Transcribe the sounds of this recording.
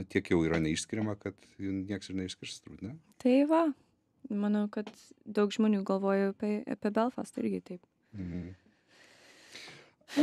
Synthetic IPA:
t̪ʲiɛkjɛʊiːɾɐnʲɛiːʃʲsʲkʲɪɾʲɛmɐkɐt̪ | jɪnnʲiɛksɪɾnʲɛɪʃsʲkʲɪɾst̪ɾuːt̪nʲɛt̪ɐɪʋɐ | mɑːnɐʊkɐt̪ | d̪ɐʊkʒ̥moːnʲuːɡɐlˠʋoːjopʲɛɐ̰pʲɛbʲɛlˠfɑsɪ̰ɾʲɡʲɪt̪ɐɪp̩ː | mm̩

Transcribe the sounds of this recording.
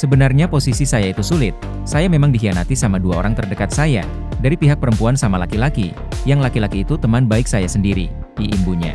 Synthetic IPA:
səbənarɲaposisisajait̪usulɪt̪̚ | sajamemaŋdiɦianat̪isamaduao̰ɾaŋt̪ərdəkat̪̚saja̰ | daɾipiɦak̚pəɾəmpuansamalakilakḭ | jaŋlakilakiːt̪ut̪əmanbaɪksajasəndiɾḭ | iːmbuɲa̰

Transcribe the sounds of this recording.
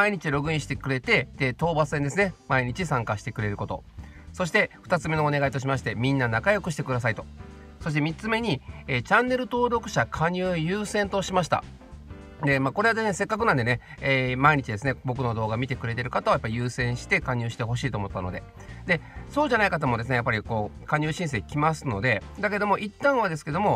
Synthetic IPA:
aiɲ̟it͡ɕiɾo̞ɡɯ̟ĩɕi̥t̪e̞kɯ̟ɾe̞t̪e̞d̪̥e̞t̪o̞ːbasend̪e̞sɨne̞maiɲ̟it͡ɕisãŋkaɕi̥t̪e̞kɯ̟ɾe̞ɾɯ̟ko̞t̪oso̞ɕi̥t̪e̞ɸt̪at͡sɨme̞no̞ːne̞ɡait̪o̞ɕ̬imaɕ̬i̥t̪e̞mʲĩnːanakajo̞kɯ̟ɕ̬i̥t̪e̞kɯ̟d̪asait̪o̞̥ | so̞ɕi̥t̪e̞mʲit͡sɨme̞ɲ̟ieːt͡ɕãnːe̞ɾɯ̟t̪o̞ːɾo̞kɯ̟̥ɕakʰaɲ̟ɯːjɯːsẽ̞nt̪o̞ɕimaɕ̬i̥t̪a̰ | d̪e̞maːko̞ɾead̪e̞sɨne̞se̞kːakɯnãnd̪e̞ne̞ | eːmaiɲ̟it͡ɕid̪e̞sɨnebo̞k̬ɯ̟no̞d̪o̞ːɡamʲit̪e̞kɯ̟ɾe̞t̪e̞ɾɯ̟kat̪aojapːaɾʲijɯ̟ːsẽ̞ɰ̃ɕi̥t̪e̞kaɲ̟ʲɨːɕi̥t̪e̞ɦo̞ɕiːt̪oːmot̪ːano̞̰d̪e̞ | d̪e̞soːʑanaikat̪̬amo̞d̪e̞sɨne̞japːaɾʲiko̞ː | kaɲ̟ʲɨːɕĩs̬e̞ːkʲimasɨno̞d̪e̞ | d̪ake̞d̪o̞mo̞ʔit̪ːãɰ̃βad̪e̞sɨ̥ke̞d̪o̞mo̞

